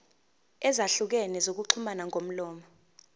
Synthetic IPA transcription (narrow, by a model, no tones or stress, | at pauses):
ɛzaɬuk̬ɛnɛzok̬uǀʰumanaŋʱom̩lɔːmɔ